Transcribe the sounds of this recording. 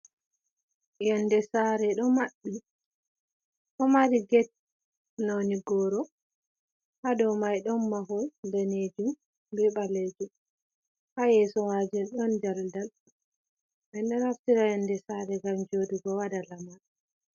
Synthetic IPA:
jɛndɛsaɾɛɗɔmaɗːi | ʔɔmaɾiɡɛt̚ | noniɡɔɾɔ | hadɔwmajɗɔnmaɦɔlndaned͡ʒum | bɛɓaled͡ʒum | hajɛsɔwad͡ʒɛnɗɔnd͡ʒaldal | ɓɛnɗɛnlaftiɾajandɛsaɾɛɡamd͡ʒodiɡɔwadalamaɗ

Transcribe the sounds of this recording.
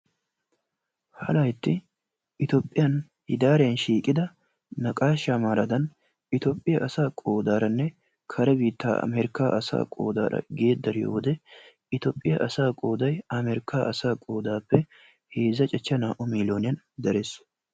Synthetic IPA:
hɐlɐjɪt̪ːɪ | ɪt̪oːpʼːɪjɐn | hɪd̪aːɾɛjɐnʃiːkʼɪd̪ɐ | nɐkʼaːʃɐmaːɾɐd̪ɐn | ɪt̪opʼːɪjɐʔɐsaːkʼoːd̪aːɾɐnːɛ | kʰɐɾɛbiːt̪ːaːɐ̰meɾɪkaːʔɐsa̰ːkʼo̰ːd̪a̰ːɾɐ̰ɡeːd̪ːɐɾɪjo̰ːwɔd̪ɛ | ɪt̪oːpʼːɪjɐʔɐsaːkʼo̞ːd̪ɐjɐmeɾɪkːaːʔɐsaːkʼoːd̪aːpːɛ | heːzːɐt͡ʃʼɛt͡ʃːɐnaːʔʊmiːloːnɪjɐn | d̪ɐɾes

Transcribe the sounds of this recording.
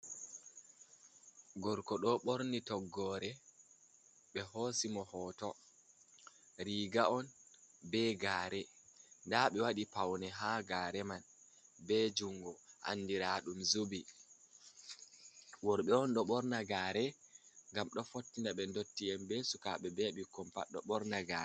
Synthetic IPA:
ɡɔɾkɔɗɔɓoɾnitɔɡːɔːɾɛ | ɓɛhosimɔhɔːtɔ | ɾiɡaɔnbɛɡaːɾɛndaɓɛwaɗipawnɛɦaɡaːɾɛman | bɛd͡ʒuŋɡɔha̰nːdiɾaɗumzubi | wɔɾɓɛɔnɗɔɓɔɾnaɡaːɾɛŋɡamɗɔfotːindaɓɛndotːijɛmbɛsuka̰ɓɛbɛɓikːɔmpa̰ɗːɔ̰ɓɔɾnaɡaɾɛ

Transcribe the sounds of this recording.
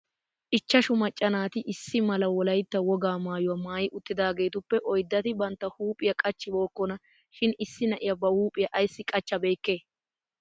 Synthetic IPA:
ʔɪt͡ʃːɐʃʊmɐt͡ʃʼːɐnaːt̪ɪʔɪsːɪmɐlɐwɔlɐjt̪ːɐwɔɡaːmaːjʊwɐmaːjɪʔʊt̪ːɪd̪aːɡe̞ːt̪ʊpːɛʔɔjd̪ːɐt̪ɪbɐnt̪ːɐhuːpʼɪjɐkʼɐt͡ʃːɪbo̞ːkːɔnɐ | ʃɪnɪsːɪnɐʔɪjɐbɐhuːpʼɪjɐʔɐjsːɪkʼɐt͡ʃːɐbe̞ːkːeː

